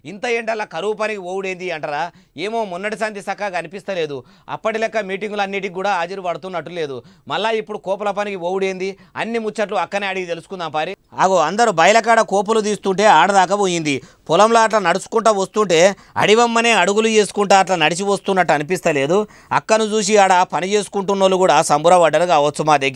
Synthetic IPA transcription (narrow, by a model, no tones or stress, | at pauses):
int̪ɐe̞ːɳʈɐlːɐkɐɾup̬ɐnikiʋoːwuɽeːnd̪iɐɳʈɐɾaːe̞ːmoːmunːɐʈisaːnd̪isɐkːakɐnipist̪ɐle̞ːd̪u | ɐ̰pːɐʈilɛkːɐmiːʈiŋɡulɐnːiːʈ̬ikuːɽaːaːd͡ʒiɾipɐɽɐt̪unːɐʈːule̞ːd̪umɐlːaːipːuɽukɔːpɐlɐp̬ɐnikiʋoːwuɽeːnd̪i | ɐnːimut͡ʃːɐʈluɐkːɐneːɐɽiɡit̪elusu̥kund̪aːpaːɾi | aːɡoɐnd̪ɐɾubɐjɐlɐkaːɽɐkɔːp̬ulud̪iːst̪uɳʈe̞ːaːɽɐd̪aːkɐboːjind̪i | pɔlɐmlaːɐʈ̬lɐnɐɽusu̥kuɳʈɐːʋɐst̪uɳʈe̞ː | ɐ̰ɽiʋɐmːɐne̞ːɐɽuɡulut͡ʃe̞ːsu̥kuɳʈaːɐʈ̬lɐnɐɽit͡ʃiʋɐst̪unːɐʈːuɐnip̬ist̪ɐle̞ːd̪u | ɐ̰kːɐnud͡ʒuːs̬iɐɽɐpɐnit͡ʃe̞ːsu̥kuɳʈunːoːluɡuːɽaːsɐmbuɾɐʋɐɖɐɾkaːʋɐːsumaːd̪eɡ